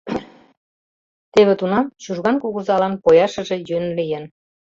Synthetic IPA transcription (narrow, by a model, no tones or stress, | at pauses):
t̪eβĕt̪unɑmt͡ɕuʒɣɑnkuɣuzɑlɑnpojɑʃə̆ʒe̽jønlijen